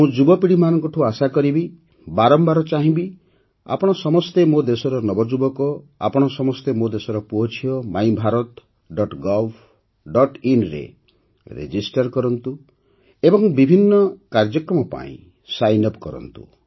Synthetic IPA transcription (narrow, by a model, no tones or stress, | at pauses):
mũd͡ʒubɔpiɽimanɔŋkɔʈʰuasakɔɾibi | baɾɔmbaɾɔt͡ʃaɦĩbi | a̰pɔɽ̃ɔsɔmɔst̪emod̪esɔɾɔnɔbɔd͡ʒubɔkɔa̰pɔɽ̃ɔsɔmɔst̪emod̪esɔɾɔpuɦɔt͡ʃʰiɔmajbʱaɾɔt̪ | ɖɔʈɡɔlbʰʱ | ɖɔʈinɾḛ | ɾḛd͡ʒisʈaɾkɔɾɔnt̪u | ebɔŋbibʱinːɔkaɾd͡ʒɔkɾɔmɔpa̰ḭ̃ | sajnɔpkɔɾɔ̰nt̪ṵ